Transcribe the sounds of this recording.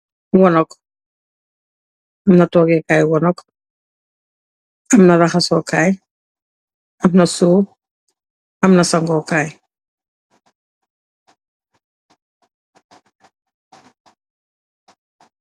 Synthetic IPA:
wɔnɔk | amnatɔɡɛkajwɔnɔk | amnaɾaχasɔkaj | amnasuː | amnasaŋɡɔkaj

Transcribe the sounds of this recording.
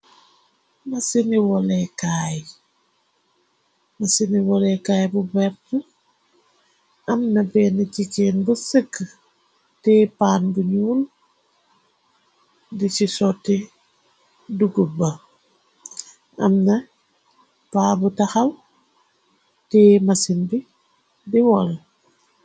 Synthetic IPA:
mɐsiniwɔlɛkaːj | mɐsiniwɔlɛkaːjbubɛɾtu | ʔɐmnɐbɛːnəcikɛnbusəkː | tɛpaːnbuɲuːl | dit͡ʃisɔtːɛ | duɡubːa | ʔɐ̰mnɐ | paːbutaxal | tɛːmasinbi | diwɔl

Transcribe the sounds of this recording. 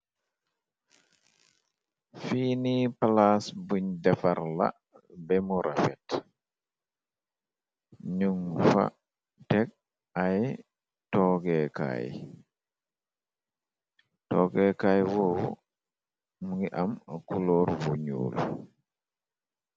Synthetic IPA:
fiːnipalasbuɲdɛfaɾla̰ | bɛmuɾafɛt | ɲuŋfa̰ | tɛk̚ | aj | tɔːɡɛka̰j | tɔɡɛkajwɔw | muɡiʔamkulɔɾwuɲṵːlṵ

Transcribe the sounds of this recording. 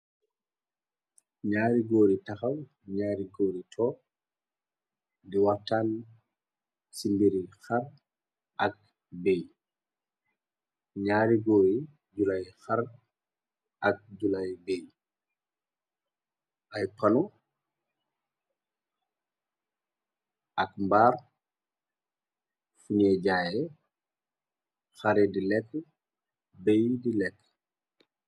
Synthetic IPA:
ɲaːɾiɡoːɾitaxaw | ɲaːɾiɡoːɾitʰɔ | diwatːan | simbiɾixaɾ | ʔak̚ | beɲ | ɲaːɾiɡoːɾi | d͡ʒulajxaɾ | ʔak̚ɟulajbeːj | ʔɐjpɐnɔ | ɐkmbaːr | funɛɟaːjɛ | xɐɾɛdilɛkː | bejdilɛkː

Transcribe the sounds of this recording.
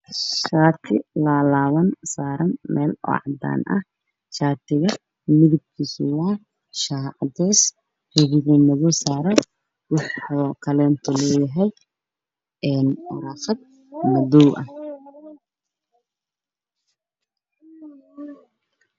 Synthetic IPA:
ʃaːt̪ʰɪlalaːwɐnsaːɾɐnmʔɛ̰ːlɔ̰ːʕɑd̪a̰ːnʔɐ̰h | ʃaːt̪ʰɪɣɐ | mɪðɪb̚kʰisʊwaː | ʃaːʕd̪ɛːs | hɪβɪɣinɐɣɔsaːɾɐn | wɑħɔkʰɐlɛːnt̪ʰɔlɔːjɐɦɛj | ɛːnʊɾaːxɐd̪̚ | mɐd̪ɔwʔɐ̰h

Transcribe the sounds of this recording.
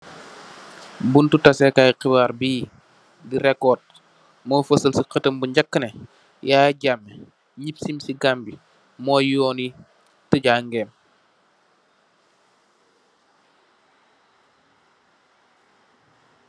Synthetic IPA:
buntutɐsɛkajqibaːɾbiː | diɾɛkːɔːt̚ | mɔːfəsəlsiqətəmbuɲɟɐkːənɛ | jaːɟamːɛ | ɲipsimsiɡambi | mɔːjɔːni | təɟaːŋɡɛːm

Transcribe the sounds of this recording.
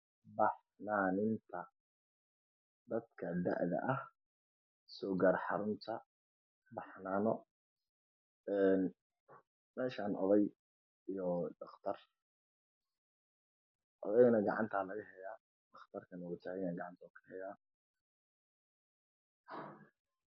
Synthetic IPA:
bɑħ | naːnɪnt̪ʰɐ | d̪ɐd̪kʰɐd̪ɐ̰ʕðɐ̰ʔɐh | sɔːɡarħɑɾʊnt̪ʰɐ | bɑħnaːnɔ | ɛːn | mɛːʃaːnʔɔ̰ðɛj | ijɔɖɑχt̪ʰɐr | ʔɔ̰ðɛjɣɐnɐɡɑʕɑ̰nt̪ʰaːlɐɣɐɦɛjaː | ɖɑχt̪ʰɐrkʰɐnʊt͡ʃ̪ʰaːɣɪnaɡɑʕɑnt̪ʰɔkʰɐ̥hɛjaː

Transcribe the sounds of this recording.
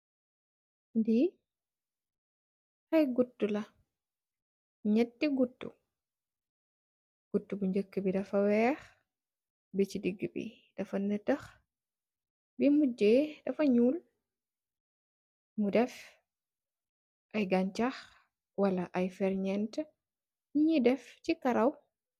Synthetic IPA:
ndi | hɐjɡutːulɐ | ɲɛtːiɡutːṵ | ɡ̥utːubuɲd͡ʒəkːəbidɐfɐwɛːx | bit͡ʃidiɡːəbḭ | d̥ɐfɐnətɐx | bimuɟeːdɐfɐɲuːl | mudɛf | ʔɐjɡɐɲt͡ʃɐx | wɐlɐʔɐjfɛɾɲɛntə | ɲidɛfcikɐɾɐw

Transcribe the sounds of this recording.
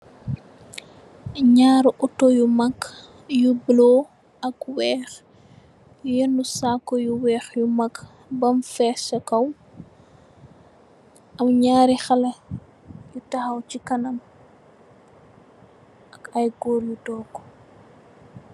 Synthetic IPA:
ɲaːɾʔɔtojumɐk | jublo | ɐkwɛːx | jujɛnusaːkːɔjuwɛːxjumɐk | bɐmfɛːsɐkɐw | ɐwɲaːɾixɐlɐ | jutɐhɐwt͡ʃikɐnɐm | ɐkɐjɡɔːɾjutɔːkːɔ̥

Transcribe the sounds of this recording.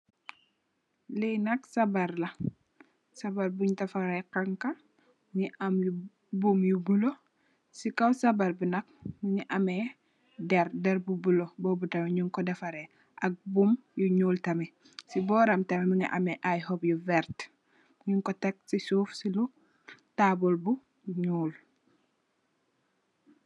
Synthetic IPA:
linɐksɐbɐɾlɐ | sɐbɐɾbuɲdɐfaɾɛkaŋkɐ | ɲiʔamju | bumjubulo | sikawsɐbɐɾbunɐk̚muɲiʔɐmɛ | dɛɾdɛɾbubulobɔːbutɐmɛɲuŋkɔdɐfɐɾɛ | ʔɐk̚bumjuɲuːltɐmɛ | sibɔːɾɐmtɐmɛmuɲḭʔɐmɛʔajhɔbjuvɛɾt | ɲiŋkɔtɛk̚sisuːfsilu | taːbɔlbu | ɲuːl

